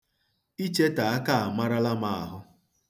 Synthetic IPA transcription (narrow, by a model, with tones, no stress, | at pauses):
i˦t͡ʃe˦ta˨a˦ka˦˨a˨ma˦ɾa˦la˦ma˨a̰˨ɦʊ˦